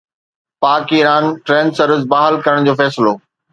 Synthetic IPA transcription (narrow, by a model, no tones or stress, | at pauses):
paːkiɾaːnʈɾẽːnsɐɾəzbaːɦəlkɐɾəɽ̃d͡ʑoːfɛːsɪloː